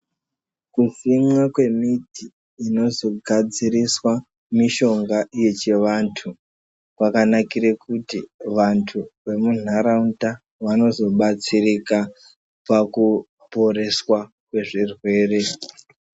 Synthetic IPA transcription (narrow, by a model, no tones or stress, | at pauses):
kusimwakwe̞mitiː | no̞zo̞ɡʱad͡ziɾiswa | miʃo̞ŋɡaije̞t͡ʃe̞ʋantʰu | kwakanakiɾekutiʋantʰuʋe̞munaɾaunta | ʋano̞zo̞ɓat͡sirika | paku | po̞ɾe̞swa | kwe̞ʐirwe̞ːre̞